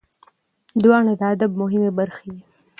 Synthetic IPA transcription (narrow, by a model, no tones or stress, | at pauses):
d̪wɑːɳad̪əad̪ab̚mʊɦɪmebaɾxeji